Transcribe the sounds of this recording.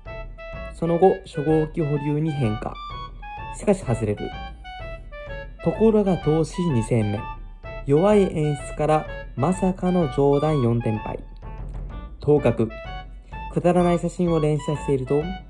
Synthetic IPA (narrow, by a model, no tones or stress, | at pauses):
so̞no̞ɡo̞ɕo̞ɡo̞ːkʲiɦo̞ɾʲɯːɲ̟iɦẽ̞ŋka̰ | ɕi̥kaɕi̥hazɨɾe̞ɾɯ̟̰ | t̪o̞ko̞ɾo̞ɡat̪o̞ːɕiɲ̟isẽ̞mːõ̰ | jo̞βaiʔẽ̞ɰ̃ɕt͡sɨ̥kaɾamasakano̞d͡ʑo̞ːd̪ãɰ̃jõ̞nt̪ẽ̞mpa̰ḭ | t̪ʰo̞ːkakɯ̟ | kɯ̟d̪aɾanaiɕaɕĩɰ̃o̞ɾẽ̞ɰ̃ɕase̞ɾɯ̟t̪o̞